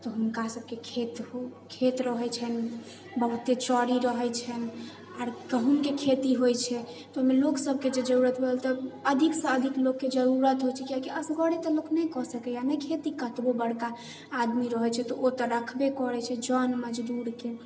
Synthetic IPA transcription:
t̪ɔɦunkasəb̚kekʰet̪okʰet̪ɾəɦɛt͡ʃʰɛn | bəɦut̪et͡ʃɔɽiɾəɦɛt͡ʃʰɛn | aɾkəɦunkekʰet̪iɦojt͡ʃʰɛ | t̪ɔomeloksəb̚ʱked͡ʒed͡ʒəɾuɾət̪bʱelt̪ɔəd̪ʱiksə̃əd̪ʱiklokːed͡ʒəɾuɾət̪ɦojt͡ʃʰɛkiakiəsɡɔɽet̪ɔloknəkɔsəkɛjanəjkʰet̪ikət̪bobəɽkaː | d̪miɾəɦɛt͡ʃʰɛt̪ɔʔot̪ɔɾəkʰbekɔɾɛt͡ʃʰɛd͡ʒənməd͡ʒd̪uɾke

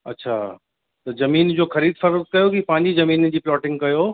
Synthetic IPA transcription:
ɐ̰tːɕʰaː | t̪ɐzɐmiːnd͡ʑoːxɐɾiːd̪fɐɾt̪̚kɐjokipɐ̃ːɪ̃ɲd͡ʑizɐmiːnd͡ʑiːplɔːʈɪ̃ŋɡkɐjoː

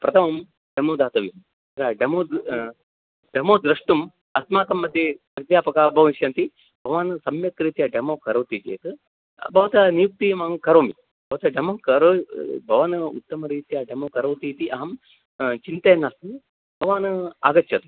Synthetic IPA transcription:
pɾɐt̪ʰɐmɐm | ɖemoːd̪aːt̪ɐʋjim | ɾaːɖemoː | ɖemoːd̪ɾɐʂʈum | ɐsmaːk̪ɐmːɐd̪ʱjɐ | ɐd̪jaːpɐkaːbʱɐʋɐnʃjɐːnt̪i | bʱɐʋaːnɨsɐmjɐkɾiːt̪jɐɖemoːkɐɾɐwt̪it͡ʃḛːt̪ɨ | bʱɐʋɐt̪ɐnijuk̚t̪iːmɐɦɐmkɐɾoːmi | bʱɐʋɐt̪ɐɖemɐkɐɾoːbʱɐʋɐnɨṵt̪ːɐmɐɾiːt̪jaɖemoːkɐɾɐwt̪iːt̪iʔɐɦɐm | t͡ʃint̪ɐːnasmi | bʱɐʋaːnɨa̰ːɡɐt͡ʃːjɐt̪u

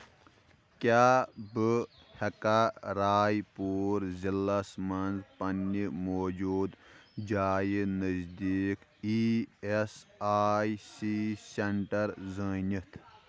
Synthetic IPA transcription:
kʲaːbɨ | hɐkaɾaːjpuːɾzilːɐsmɐnzpɐnːimoːd͡ʒuːd̪d͡ʒaːjinəzd̪iːkiesaːjsiseɳʈɐɾzəːnʲit̪ʰ

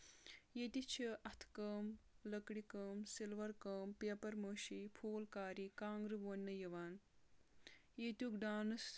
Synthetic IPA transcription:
jet̪it͡ʃʰɐʔɐt̪ʰkəːmlɐkɽikəːmsilʋɐɾkɐːmpeɐpɐɾmɐːʃipʰoːlkaːɾikaːŋɡɾɨʋɐnːɐjɐʋaːn | jet̪jukɖaːnɐs

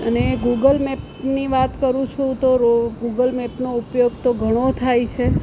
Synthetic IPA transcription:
əneɡuɡəlmɛp | niʋat̪kəɾũt͡ʃʰũt̪oɾɡuɡəlmɛpnoupjoɡt̪oɡʱəɽ̃ot̪ʰajt͡ʃʰe

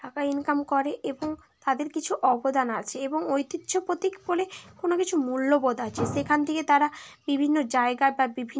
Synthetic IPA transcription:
ʈakainkamkɔɾeʔeboŋ | t̪ad̪eɾkit͡ɕʰuʔɔbod̪anat͡ɕʰeeboŋojt̪it̪ːʃʰopot̪ikbolekonokit͡ɕʰumulːobod̪at͡ɕʰeʃekʰant̪ʰeket̪aɾabibʱinːod͡ʑaeɡababibʱi

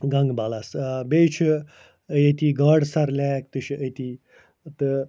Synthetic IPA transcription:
ɡɐŋɡbɐlasbeːt͡ʃʰi | jet̪ʲiːɡɐɽsɐɾlʲaːkt̪ɨʃʰiʔət̪iː | t̪ɨ

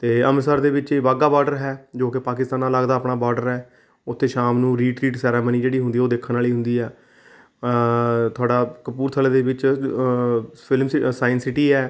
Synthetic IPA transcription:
t̪eːəmsaːɾd̪eːʋɪt͡ʃːʋaːɡaːbɔːɾɖəɾɦɛːd͡ʒoːkɪpaːkɪst̪aːnãːlaɡd̪aːəpɳaːbɔːɾɖəɾɛː | ʊt̪ʰːeːʃaːmnũːɾiːʈɾiːʈsɛːɾeːməniːd͡ʒeːɽiːɦʊnd̪iːoːd̪eːkʰːənaːliːɦʊ̃nd̪iːɛː | t̪ʰʊaːɖaːkəpuːɾt̪ʰəled̪eːʋɪt͡ʃ | pʰɪlmsaːɪnsɪʈiːɛː

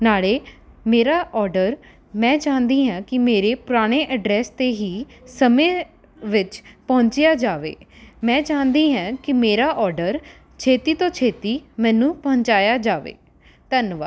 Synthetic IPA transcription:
naːɭeː | meːɾaːʔɔːɾɖəɾ | mɛ̃ːt͡ʃãːnd̪iːɦɛ̃ːkɪmeːɾeːpʊɾaːɽ̃eːʔəɖɾɛːst̪eːɦiː | səmẽː | ʋɪt͡ʃpəɦʊ̃ɲt͡ʃɪjaːd͡ʒaːʋḛːmɛ̃ːt͡ʃaːnd̪iːɦɛ̃ːkɪmeːɾaːʔɔːɾɖəɾ | t͡ʃʰeːt̪iːt̪õːt͡ʃʰeːt̪iːmɛ̃ːnũːpəɦʊ̃ɲt͡ʃaːjaːd͡ʒaːʋḛː | t̪ənʋa̰ː

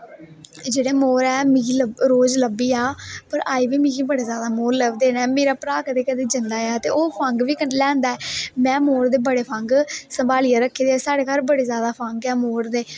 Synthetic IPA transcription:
d͡ʒeːɽeːmoːɾɛːmĩːləɾoːd͡ʒləbːiːaːpəɾaːiːʋiːmĩːkĩbəɽeːzjaːd̪aːmoːɾləbd̪eːnɛ̃ːmeːɾaːpəɾaːkəd̪eːkəd̪eːd͡ʒənd̪aːjaːt̪eːoːpʰəŋɡʋiːkəlɛ̃ːnd̪aːɛːmɛ̃ːmoːɾd̪eːbəɽeːpʰəŋɡsəmbaːlɪjaːɾəkʰːeːd̪eːsaːɽeːkaɾbəɽeːzjaːd̪aːpʰəŋɡɛːmoːɾd̪eː

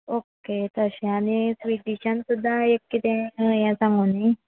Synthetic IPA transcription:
oket̪əɕẽaɽ̃isʋiʈiɕãnsud̪ʱːaekːit̪ẽjãsãŋɡuni

